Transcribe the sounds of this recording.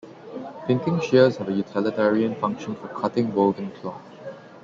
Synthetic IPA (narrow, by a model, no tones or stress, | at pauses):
pɪ̃ŋkɪ̃ŋʃiəzhɛvəjutʰɪlɪtɛɹiə̃nfãŋkʃə̃nfɔkʰatɪ̃ŋwolvɪ̃ŋkʰlɔk